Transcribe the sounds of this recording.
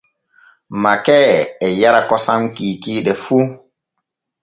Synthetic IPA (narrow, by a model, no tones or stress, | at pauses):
makɛɛjaɾakɔsamkiːkiːɗɛfu